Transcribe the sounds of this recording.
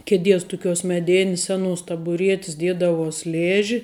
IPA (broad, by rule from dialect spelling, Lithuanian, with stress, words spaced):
kʲɛˈdʲiɛs tʊˈkʲuɔs mʲɛˈdʲeːnʲɪs ˈsʲæːˌnuɔs tɐbʊˈrʲiɛtʲɪs ˈdʲiɛdɐʋuɔs ˈlʲeːʒʲɪ